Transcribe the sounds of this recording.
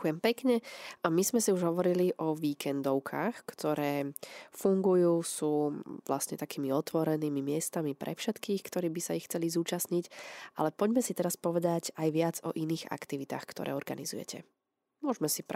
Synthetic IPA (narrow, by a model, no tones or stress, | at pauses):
jɛmpɛkɲɛamizmɛsiuʒɦɔʋɔɾiliʔɔʋiːkʰɛnd̪ɔʊkʰa̰ːxkt̪ɔɾɛːfuŋɡujuːsuːʋlastɲɛt̪akiːmiɔt̪ʋɔɾɛniːmimɪɛst̪amipɾʔɛ̰fʃɛt̪kiːxkt̪ɔɾiːbisaixt͡sɛlizuːt͡ʃasɲicʔa̰lɛpɔɟmɛsit̪ɛɾaspɔʋɛd̪aɟajʋɪad͡zɔ̰ʔiniːɣa̰kt̪iʋit̪a̰ːxkt̪ɔ̰ɾʔɛ̰ːɔɾɡa̰nḭzṵjɛ̰cɛ̰ | mʊɔʒmɛsip